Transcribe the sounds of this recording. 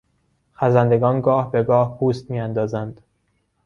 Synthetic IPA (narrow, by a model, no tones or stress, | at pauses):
xæzænd̪e̞ɡɒːnɡɒːhbe̞ɡɒːhpʰuːst̪̚miːænd̪ɒːzænd̪̥